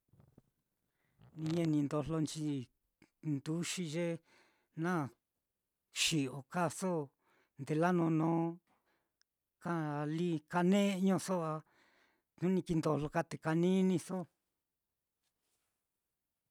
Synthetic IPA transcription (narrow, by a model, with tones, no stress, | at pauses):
nĩ˧ɲe˧nĩ˧nd̪o˧lo˧nt͡ʃi˧˦ | nd̪u˦ʃi˧ʒe˦ | nã˦˨ | ʃi˨o˨ka˦so˦ | nd̪e˧la˦nõ˧nõː˦ | ka˦˧li˦ka˧nẽ˦˧ɲõ˧so˦a˧ | ũ˦nĩ˧ki˧nd̪o˧lo˧ka˦t̪e˨ka˧nĩ˦nĩ˧so˦